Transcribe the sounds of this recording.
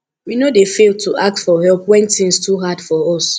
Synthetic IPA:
winodefelˠtuʔak̚tfɔhɛlpwɛ̃ntĩŋstuɦadfɔɔs

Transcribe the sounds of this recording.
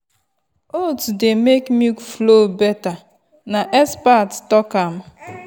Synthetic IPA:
otdemekmiflobɛta | naʔɛspattɔkam̩

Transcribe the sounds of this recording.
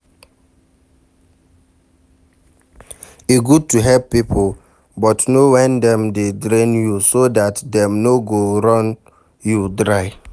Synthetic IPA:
iɡud̚tuɦɛpːipʰo | bɔtnowɛ̃ndɛ̃mdedɹẽnjusodatdɛ̃mnoɡoɹɔ̃n | judɹaɪ

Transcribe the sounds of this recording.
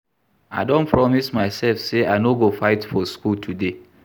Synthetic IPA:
a̰ɪdõnpʰɹɔmismaɪsɛlfseaɪnoɡofaɪtfɔskultʰude

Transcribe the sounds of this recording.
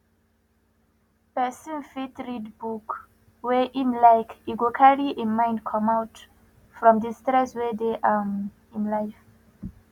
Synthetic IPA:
pɛsɔ̃nfitɹidbuk | wɛʔĩnlajkiɡukʰaɹiʔemãj̃ndkʰɔ̃mawt | fɹɔ̃mdistɹɛswɛdeʔam | ĩnlajf

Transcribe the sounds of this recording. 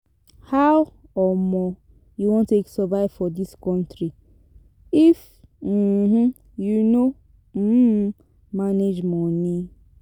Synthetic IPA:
haw | ɔmɔ | juwõnteksɔvaɪvfɔdiskɔ̃ntɾi | if | m̩h̩ | juno | m̩ | maned͡ʒmɔni

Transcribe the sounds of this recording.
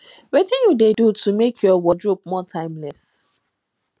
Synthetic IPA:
wetɪ̃njudedutumekʰjɔwɔdɹup̚mɔtʰãɪ̃mlɛs

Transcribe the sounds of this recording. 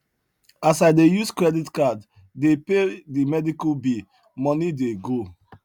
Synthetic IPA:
asaɪdejuskɹɛditkadː | epedimɛdikubi | mɔnideɡo

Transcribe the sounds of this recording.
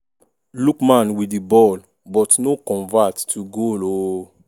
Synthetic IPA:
lukmãnwidibɔl | bɔtnokɔ̃ɱvatːʰuɡolo

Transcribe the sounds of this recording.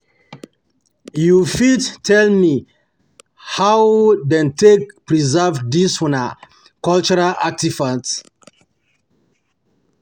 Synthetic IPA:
jufidtʰɛlmi | hawdɛ̃ntekpɹizavdiswɔna | kɔlt͡ʃuɹalak̚tivãt

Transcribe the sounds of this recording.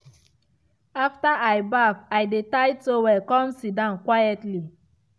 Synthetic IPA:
aftaʔajbafajdetajtowɛkɔ̃msidãnkwajɛtli

